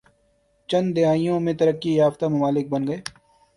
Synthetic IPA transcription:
t͡ʃɐ̃nd̪d̪ɪɦaːijõmẽt̪ɐɾəkːijaːft̪amʊmaːlɪk̚bɐnɡɐeː

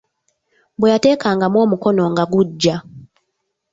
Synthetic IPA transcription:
bwejate̞ːkaːŋɡamwo̞ːmuko̞no̞ŋɡaɡuɟːa

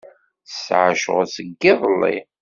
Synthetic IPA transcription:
sʕʃə̰ʁsəɡːɪðˤəlːḭ

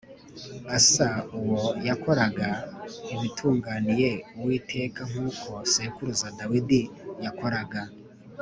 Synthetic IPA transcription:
asauwojako̞ɾaɡaiβitʰuːŋɡaːnije̞uwiːtʰe̞ːkaŋ̥uːkʰo̞sekuɾuzadawidijako̞ɾaɡa

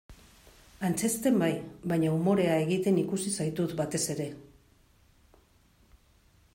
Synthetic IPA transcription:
ant͡se̞st̪e̞mbajβaɲaumo̞ɾe̞ae̞ɣit̪e̞nikusisajt̪ut̪bat̪e̞se̞ɾe̞

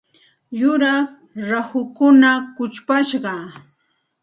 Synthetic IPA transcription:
jʊɾa | ɾahʊkʊnakʊt͡ʃpaʃɢɑ

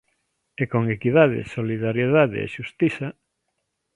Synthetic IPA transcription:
ekoŋekiðað̞ḛsoliðaɾjeðaðḛḛʃust̪iθa

